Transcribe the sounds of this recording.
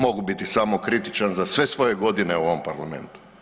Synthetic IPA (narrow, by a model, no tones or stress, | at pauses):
mo̞ɡubit̪isamokɾit̪it͡ʃanzasʋe̞sʋo̞je̞ɡo̞d̪ineuoʋompaɾlame̞̰nt̪u̥